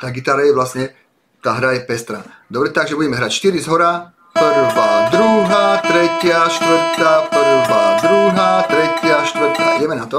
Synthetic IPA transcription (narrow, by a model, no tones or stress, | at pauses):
t̪aːɡit̪aːɾajɛʋlasɲɛ | t̪aːɦɾajɛpɛst̪ɾa̰ː | d̪ɔbɾɛt̪aɡʒɛbuɟɛmɛɦɾaːcʃt̪iɾizɦɔɾaː | kpəɾuvaːd̪ɾuɦaːt̪ɾɛcɪaʃt̪ʋərt̪akpɔɾubaːd̪ɾuɦaːt̪ɾɛcɪaʃt̪ʋɾt̪a̰ḭɟɛmɛnat̪ɔ